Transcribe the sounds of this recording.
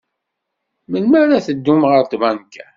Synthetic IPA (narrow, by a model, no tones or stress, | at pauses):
məlmæɾæθəd̪ːumʁəɾt̪vænkæ